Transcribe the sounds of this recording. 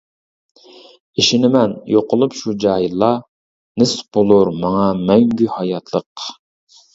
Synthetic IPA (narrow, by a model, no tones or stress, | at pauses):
iʃɪnɪmɛnjoqʊlˠupʃud͡ʒɑːjilˠːɑ | nɪsb̥olˠuɾmɑŋɑmɛŋɡʲyhɑjɑt̪ʰlˠəq